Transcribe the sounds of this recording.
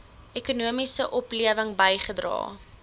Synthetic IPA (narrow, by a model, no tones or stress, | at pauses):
ekunuəmisəʔɔpliəvəŋbəjχədrɑ̰ː